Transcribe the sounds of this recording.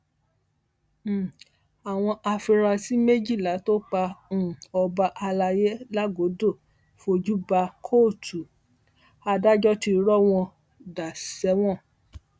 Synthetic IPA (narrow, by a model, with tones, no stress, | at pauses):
a˨w̃ɔ̃˧ʔa˧fi˧ɾa˧si˦me˦d͡ʒi˦˨la˨˦to˦k͡pã˧˦˨ɔ˧ba˧ʔa˧la˧je˦la˦ɡo˨˦do˦˨ | fo˧d͡ʒu˦ba˧kʰo˦˨tu˨ | a˧da˦d͡ʒɔ˦ti˧˦ɾɔ˦w̃ɔ̃˧ | da˨sɛ˨˦w̃ɔ̃˦˨